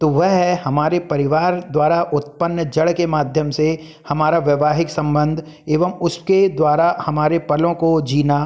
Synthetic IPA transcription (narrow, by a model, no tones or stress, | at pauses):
t̪oʋɛɦɦɛhɐmaːɾepɐɾɪʋaːɾd̪waːɾaʔʊt̪̚pənːd͡ʒɐɽkemaːd̪ʱjəmse | hɐmaːɾaʋjɐʋaːɦɪksɐ̃mbə̃nd̪ʱ | eːʋəmʊsked̪waːɾahɐmaːɾepɐlõkod͡ʒiːna